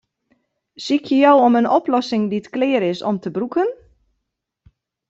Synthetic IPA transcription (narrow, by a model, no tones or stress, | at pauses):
sikʰjəjɔwɔmənɔplɔsɪŋditklɪːɾɪsɔ̰mtəbrukən